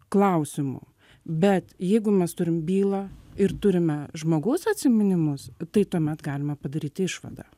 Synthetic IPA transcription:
klˠɐʊsʲɪmʊ̰ | bʲɛt̪jɛɪɡʊmʲɛst̪ʊɾʲɪmbʲiːlˠɑɪɾt̪ʊɾʲɪmʲɛʒmoːɡɐʊsɐt̪ʲsʲɪmʲɪnʲɪmʊst̪ɐɪt̪uɔmʲɛt̪ɡɑːlʲɪmɐpɐd̪ɐɾʲiːt̪ʲɪʃʋɐ̰d̪ɑ̰

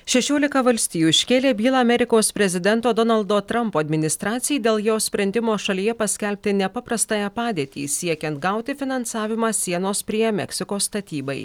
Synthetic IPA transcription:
ʃʲɛʃʲoːlʲɪkɐʋɐlʲsʲt̪ʲiːjuːʃʲkʲeːlʲeːbʲiːlˠɑɐmʲɛɾʲɪkoːspʲɾʲɛzʲɪd̪ʲɛnt̪oːd̪ɔnɐlʲˠd̪oːt̪ɾɐmpoːɐd̪ʲmʲɪnʲɪst̪ɾɑːt̪sʲɪjiːd̪ʲeːlˠjoːsʲpʲɾʲɛnʲd̪ʲɪmoːʃɐlʲiːjɛpɐsʲkʲɛlʲpʲt̪ʲɪnʲɛpɐpɾɐst̪ɑːjɛpɑːd̪ʲiːt̪ʲḭːsʲiɛkʲɛnt̪ɡɐʊt̪ʲɪfʲɪnɐnsɑːʋʲɪmɑːsʲiɛnoːspʲɾʲiɛɛmʲɛ̰ksʲɪkoːst̪ɐt̪ʲiːbɐɪ

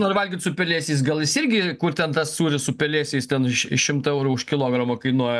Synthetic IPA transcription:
norʋɐlʲɡʲit̪sʊpʲɛlʲeːsʲiːs̬ɡɐlˠjɪsɪrʲɡʲɪkʊrt̪ʲɛnt̪ɐssuːɾʲɪsʊpʲɛlʲeːsʲɛɪst̪ʲɛnɪʃɪʃʃʲɪmt̪ɐɛʊɾuʊʃkʲɪlˠoːɡɾɐmoːkɐɪnuɔjɛ

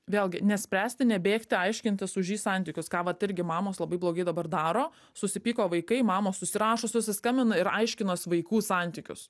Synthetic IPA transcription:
ʋʲeːlˠɡʲɪnʲɛsʲpʲɾʲæːsʲt̪ʲɪnʲɛbʲeːkt̪ʲɪɐɪʃʲkʲɪnʲt̪ʲɪsʊʒʲiːsɑnʲt̪ʲɪkʲʊskɑːʋɐt̪ɪɾʲɡʲɪmɑːmoːslˠɐbɐɪblˠoːɡɐɪd̪ɐbɐrd̪ɑːɾoː | sʊsʲɪpʲiːkoːʋɐɪkɐɪmɑːmoːsʊsʲɪɾɑːʃoːsʲʊsʲɪskɐmʲbʲɪnɐɪɾɐɪʃʲkʲɪnoːsʲɪʋɐɪkuːsɑnʲt̪ʲɪkʲʊ̰s

